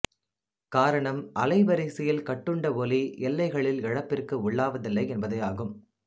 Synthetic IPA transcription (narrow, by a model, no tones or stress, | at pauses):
kaːɾɐɳɐmʔɐlɐɪʋɐɾɐɪsɪjɪlkɐʈːɯɳɖɐʋɔliɛlːɐɪɣɐɭɪlɪɻɐpːɪrkɯʊɭːaːʋɐðɪlːɐɪɛnbɐðɐɪjaːɣɯm